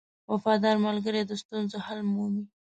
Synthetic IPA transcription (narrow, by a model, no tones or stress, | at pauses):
wafɑd̪ɑɾmalɡəɾed̪əst̪unzohalmuwi